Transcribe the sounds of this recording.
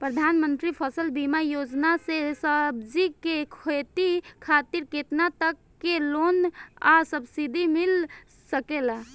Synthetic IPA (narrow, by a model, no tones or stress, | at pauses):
pɾəd̪ʱanmənt̪ɾipʰəsəlbimajod͡ʒnasesəbd͡ʒikekʰot̪ikʰat̪iɾket̪nat̪əkːelona̰səbsid̪ʱimil | səkela